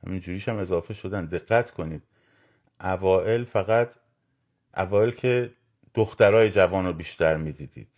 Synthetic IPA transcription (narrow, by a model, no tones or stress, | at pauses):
hæ̰mind͡ʒuːɾiːʃæme̞zɒːfe̞ʃo̞d̪æne̞ɣːæt̪ʰkʰo̞niːd̪̥̚ | ʔævɒːʔe̞lfæɣæt̪ | ʔæ̰vɒːe̞lcʰe̞ | d̪̥oxt̪æɾɒːje̞d͡ʒævɒːnɾobiːʃt̪æɾmiːd̪iːd̪ḭːd̪̥